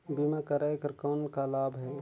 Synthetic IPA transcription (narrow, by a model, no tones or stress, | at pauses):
bimakəɾaekəɾkaːnkalaːbɦɛ